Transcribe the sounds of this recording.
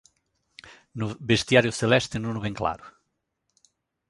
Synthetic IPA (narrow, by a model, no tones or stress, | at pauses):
nʊbeʃt̪jaɾjʊselɛʃt̪ɪnunʊβẽŋkla̰ɾʊ